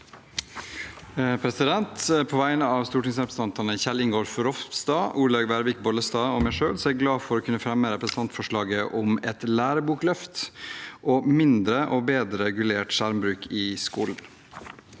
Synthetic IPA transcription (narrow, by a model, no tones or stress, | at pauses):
pʰɾɛsɪd̪ɛnt̪pʰoːʋæɪnəɑːʋst̪uːʈɪŋsɾɛpɾəs̩əɑnt̪ɑnəçɛlɪŋɡoːɾfɔɾɔft̪sd̪ɑːuːlɑɡbæɾʋiːk̚bɔləst̪ɑːɔmæɪʂøːlsɔæɾɡlɑːfɔɾoːkʰʉnəfɾɛmːəɾɛpɾəsənt̪ʰɑnt̪fɔʂɭɑːɡəʔɔmɛt̪læːɾəbuːklœft̪ʔoːmɪnd̪ɾəʔoːbeːd̪ɾəɛɡʉleːʈʃæɾmbɾʉːkʰɪskuːln̩